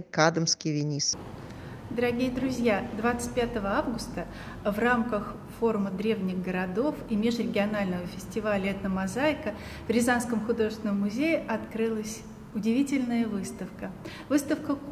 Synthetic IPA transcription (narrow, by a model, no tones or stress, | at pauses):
kad̪əmskʲɪjvʲɪnʲis | d̪əɾɐɡʲijəd̪ɾʊzʲjad̪vat̪sɨ̥t̚ʲpʲat̪əvəavɡʊst̪ə | vramkəx | fo̞ɾʊməd̪ɾʲe̞vnʲɪɣɡəɾɐd̪o̞fimʲeʂɾʲɪɡʲɪɐnalʲnəvəfʲɪsʲtʲɪvalʲəɛt̪nəmɐzaɪkə | v̥ʲɾʲɪzanskəmxʊd̪o̞ʐɨst̪vʲɪnəmːʊzʲejɪʔɐt̪kɾɨlˠəsʲ | ʊdʲɪvʲitʲɪlʲnəjəvɨst̪əfkə | vɨst̪əfkə